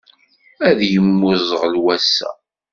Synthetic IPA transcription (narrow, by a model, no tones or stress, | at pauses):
æðjəmːʊzˤəʁlwæsːæ̰